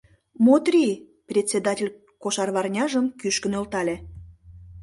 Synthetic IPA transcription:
mot̪rʲi | prʲet͡sʲːed̪ɑtʲelʲ | koʃɑrβɑrnʲɑʒəmkyʃkənølt̪ɑlʲe

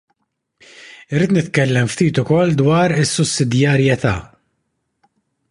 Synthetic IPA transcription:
ɪɾiːt̪nɪt̪kɛlːɛmft̪iːt̪ʊkɔlːd̪wɐːɾɪsːʊsːɪd̪jɐɾjɛt̪ɐ̰ː

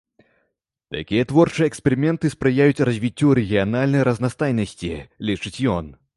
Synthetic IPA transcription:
t̪a̰kʲijɐt̪vɔrt͡ʂɨjɛkspɛɾɨmʲɛnt̪ɨspɾɨjajut͡sʲrɐzʲvʲit͡sʲːuɾɛɣʲianalʲnɐjɾɐznast̪ajnɐsʲt͡sʲilʲit͡ʂɨt͡sʲjɔn

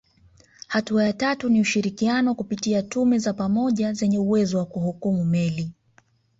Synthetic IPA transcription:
hatuajatatuniuʃiɾikianɔkupitiatumɛzapamɔʄazɛɲɛuwɛzɔwakuhukumumɛli

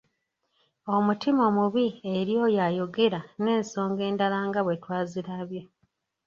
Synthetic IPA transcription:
o̞mutimo̞ːmuβieɾjo̞jajo̞ɡe̞ɾane̞ːnso̞ːŋɡe̞ːndalaːŋɡaβwe̞twaːziɾaβjo

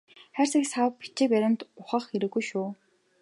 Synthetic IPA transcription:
χæːrsĭksawpi̥t͡ɕɪ̆ːp̬æɾʲɪ̆nt̪ʊχə̆χxeɾɘ̆ɣujʃuː

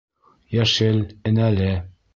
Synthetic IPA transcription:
jæʃɘlɘ̆nælɘ

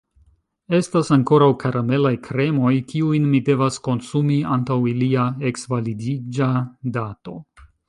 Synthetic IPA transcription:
e̞stasaŋko̞ɾawkaɾʔame̞lajkɾe̞mo̞jkiujnmide̞vasko̞nsumia̰ntawiliae̞ksvalidid͡ʒadato̞

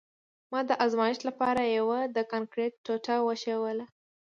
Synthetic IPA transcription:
mɑd̪əʔɑzmɑjɪʃlapɑɾajawad̪əkɑnkɾeʈːoʈawəʃəwəla

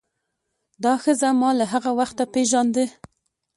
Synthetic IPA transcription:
d̪ɑxəzamɑlaɦaɣawaxt̪apeʒɑnd̪ə

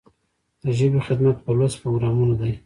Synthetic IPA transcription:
d̪̥əʒəbixɪd̪mat̪̚pəlazpɾoɡɾɑmunad̪aj

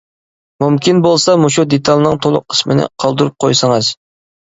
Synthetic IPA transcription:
mumkʲʰinbolˠsɑmoʃud̪et̪ʰɑlˠnɨŋt̪ʰolˠʊ̰qqʰːə̥smɪnɪ̰qʰɑlˠd̪uɾup̚qʰojsɨŋɨz

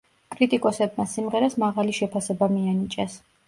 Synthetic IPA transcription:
kʼɾit̪ʼikʼɔsɛb̚masimʁɛɾasmaʁaliʃɛpʰasɛbamianit͡ʃʼɛs

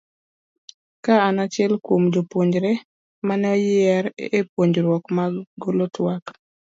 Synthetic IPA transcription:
kaanat͡ʃɪɛlkwomd͡ʒopwoɲd͡ʒɾɛ | manɛɔjɪɛɾepwoɲd͡ʒɾwɔkmaɡolotwak

